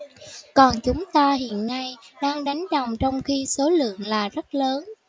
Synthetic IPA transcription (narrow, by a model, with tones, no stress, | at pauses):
kɔ˨˩nt͡ɕʊ˨˦ŋ͡mt̪aː˧ɦḭ˧˨ənːa˧jɗaː˧ŋɗa˨˦jŋ̟ɗə˨˩wŋ͡mt͡ɕɔ˧wŋ͡mxi˧so˨˦lɨ̰˧˨əŋlaː˨˩zə˦˥t̚ləː˨˦n